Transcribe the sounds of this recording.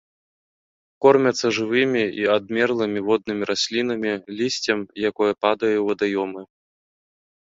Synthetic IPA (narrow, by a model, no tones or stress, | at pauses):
kɔrmʲɐt̪sːɐʐɨvɨmʲiiad̪mʲɛrlˠɨmʲivɔd̪̚nɨmʲiɾasʲlʲinɐmʲilʲisʲt͡sʲɐmjakɔjɐpad̪ɐjɛwɐd̪ajɔmɨ